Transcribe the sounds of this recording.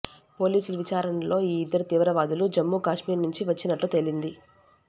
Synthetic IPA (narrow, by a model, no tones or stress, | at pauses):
po̞ːliːsulɐʋit͡ʃaːɾɐnɐlo̞ːiːid̪ːɐɾit̪iːʋɾɐʋaːd̪ulud͡ʒɐmːuːkaːʂmiːɾnuɲt͡ʃiʋɐt͡ʃːinɐʈlut̪e̞lind̪i